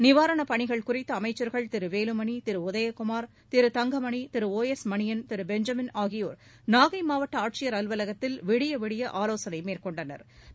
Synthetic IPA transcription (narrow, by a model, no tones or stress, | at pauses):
nɪʋaːɾɐɳɐpɐɳɪɣɐɭkʊrɪt̪ːɐɐmɐɪt͡ʃːɐɾɣɐɭt̪ɪɾɯʋeːlɯmɐɳit̪ɪɾɯʊðɐjɐkʊmaːɾ | t̪ɪɾɯt̪ɐŋɡɐmɐɳit̪ɪɾɯoːɛsmɐɳɪjɐnt̪ɪɾɯbɛɲd͡ʒɐmɪnaːɣɪjoːɾ | naːɣɐɪmaːʋɐʈːɐaːʈ̚t͡ʃɪjɐɾɐlʋɐlɐɣɐt̪ːɪlʋɪɽɪjɐʋɪɽɪjɐʔaːloːsɐnɐɪmeːrkɔɳɖɐnɐ̰ɾ